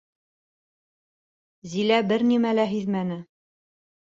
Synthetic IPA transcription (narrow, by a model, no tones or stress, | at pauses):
zilæbɘɾnimælæɦiðmænɘ